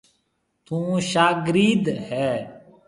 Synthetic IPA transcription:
t̪ʰũːʃaːɡɾiːd̪hɛː

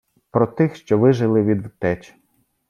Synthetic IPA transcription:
pɾɔt̪ɪxʃt͡ʃɔʋɪʒɪlˠɪʋʲid̪ʋt̪ɛt͡ʃ

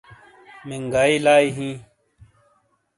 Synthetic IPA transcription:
mɪŋɡaːiːlaːiːɦĩː

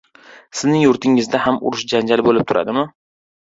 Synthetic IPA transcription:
sɪznɪŋjʊɾt̪ʰɪŋɪzd̪ahamʊ̰ɾʊʃd͡ʒand͡ʒalbolɪp̚t̪ʰʊɾa̰d̪ɪmɪ

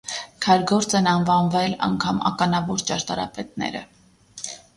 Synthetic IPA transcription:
kʰɑjɾɡɔɾt͡sɛnɑnvɑnvɛlɑ̰ŋkʰɑmɑ̰kɑnɑvɔɾt͡ʃɑɾt̪ɑɾɑ̰pɛt̪̚nɛ̰ɾə̰

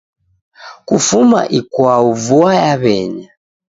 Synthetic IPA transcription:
kufuma̰ʔikwauvuajaβɛɲa

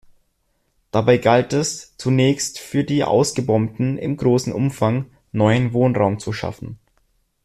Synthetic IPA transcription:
d̥abaɪɡaltɛst͡sunɛːçstfyːɐdiːʔa̰ʊsɡ̥əbɔmtn̩ɪ̰mɡʁoːsn̩ʔʊmfaŋ | nɔʏənvoːnʁaʊmt͡suʃa̰fn̩

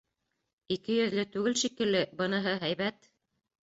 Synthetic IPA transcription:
ikɘjɵ̆ðlɘt̪ʉɡɘlʃikɘ̆lːɘbɤ̆nɤ̆ɦɤɦæjβæt̪

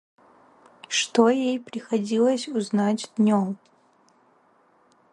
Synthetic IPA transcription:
ʂtojejpɾʲixɐdʲilˠɐsʲuznatʲd̪nʲom

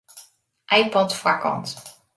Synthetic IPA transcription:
ʔajpɔtfakɑ̰nt

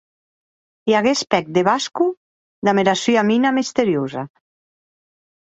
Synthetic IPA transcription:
iaɣespɛk̚d̪eβasku | d̪ameɾasyaminamist̪eɾjoza

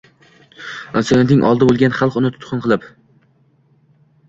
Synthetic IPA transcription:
ansɒnet̪nɪŋʔɒ̰lˠd̪ɪbolˠɡʲanχɑlˠqʊnɪt̪ʰʊ̥t̪qʰɨnqʰɨlˠɪp

